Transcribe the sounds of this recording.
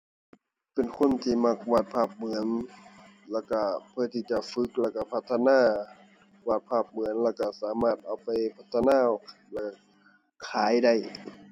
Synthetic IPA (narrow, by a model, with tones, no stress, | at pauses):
pe˨nkʰo˧˥˨nt̪ʰiː˧˨ma˧˩k̚waː˧˩t̪̚pʰaː˧˩p̚mɯ˨˧˦ən | lɛː˧˩wka˧˩pʰɯ˧˩˨t̪ʰiː˧˩t͡ɕa˧fɯ˧˦k̚lɛː˧˩ka˧˩pʰa˧˩t̪ʰːa˧naː˧˩ | waː˧˩t̪̚pʰaː˧˩p̚mɯ˨˦ənlɛː˧˩wka˧˩saː˨˦maː˧˩t̪̚ʔa˨˩wpa˨jpʰa˧t̪ʰːa˧naː˧˥˨ | lɛː˧˩˧ | kʰaː˨˦jda˧˩j